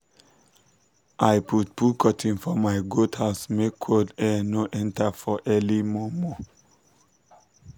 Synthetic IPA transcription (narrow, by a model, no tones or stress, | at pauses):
ʔajput̚pʰukʰɔtʰĩnfɔmaɪɡotʰhaʊsmekʰːodɛ̃noʔɛ̃ntafɔʔɛlimɔmɔ